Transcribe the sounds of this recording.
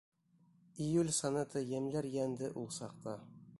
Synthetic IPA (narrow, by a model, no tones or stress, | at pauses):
ijʉlʲsɑnɤt̪ɤjæmlæɾjænd̪ɘʔulˠsɑq̚t̪ɑ